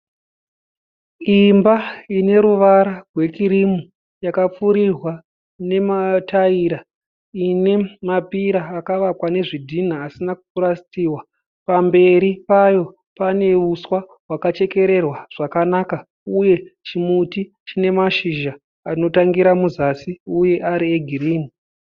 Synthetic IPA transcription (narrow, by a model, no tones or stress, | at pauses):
imbaine̞ɾuʋaɾarwe̞kiɾimu | jakap͡fuɾirwa | ne̞mataiɾa | ine̞mapiɾaːkaʋakwane̞ʐidʱin̤aːsinakuuɾast͡siːwa | pambe̞ɾipajo̞ | pane̞uswa | wakat͡ʃe̞ke̞ɾe̞rwaʐ̥akanaka | uje̞t͡ʃimuti | t͡ʃine̞maʃiʒa | ano̞taŋɡiɾamuzasiuje̞ʔaɾieɡʱiriːmu